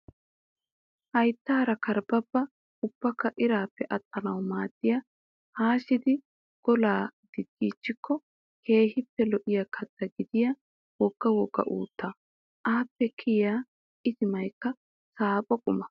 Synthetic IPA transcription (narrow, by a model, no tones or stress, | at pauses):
hɐjt̪ːaːɾɐkɐɾbɐbːɐ | ʊb̥ːɐkːɐʔɪɾaːpːɛʔɐt̪ʼːɐnɐwmaːd̪̥ːɪjɐ | haːʃɪd̪ɪ | ɡ̥ɔlaːd̪̥ɪd̪ːiːt͡ʃːɪkʰːɔ | kʰe̞ːhɪpːɛlɔʔɪjɐkʰɐt̪ːɐɡɪd̪ɪjɐ | wɔɡ̥ːɐwɔɡːɐ̰ʔṵːt̪ːɐ | ʔaːpːɛkʰɪjaː | ʔɪzɪmɐjkːɐ | saːpʼɔkʼʊmɐ